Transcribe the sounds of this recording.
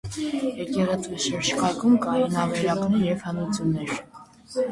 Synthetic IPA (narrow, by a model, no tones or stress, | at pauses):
jɛkɛʁɛt͡sʰʼujʃəɾʃkʰɑkʰumkɑjinɑvɛɾɑkʼnɛɾjɛvhənut͡sʰjunːɛɾ